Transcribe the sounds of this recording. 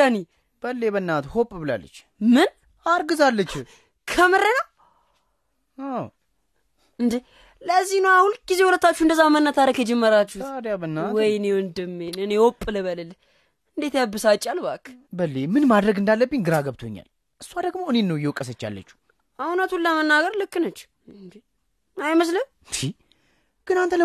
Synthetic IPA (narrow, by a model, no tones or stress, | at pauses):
ani | b̥əlːebənːat̪hopʼbɨla̰lːə̰t͡ʃː | mɨn | aɾɡɨzalːət͡ʃː | kʰəmɨɾənəw | aw | ɨnd̪i | ləzːihnəwahulɡ̥izewɔlət̪ːat͡ʃːund̪əzːabəmənːat̪aɾəkjɛd͡ʒɛmːəɾat͡ʃːuht̪ad̪jabənːawɔjnewɨnd̪ɨmːenɨnewɔpʼːɨləbələl | ɨnd̪et̪jabːɨsat͡ʃʼːalbakːbəlːemɨnmad̪ɾəɡɨnd̪alːəbːɨnɡɨɾaɡəβt̪ʰo̰ɲːa̰l | ʔɨsːuwad̪əɡmoɨnenːəwjɛwkʼəsət͡ʃːa̰lːə̰t͡ʃːu̥ | ʔawnat̪hulːəmənːaɡəɾlɨkːɨnət͡ʃː | ɨnd̪ | ajməs̬ləm | ʃi | ɡ̥ɨnant̪ʰələ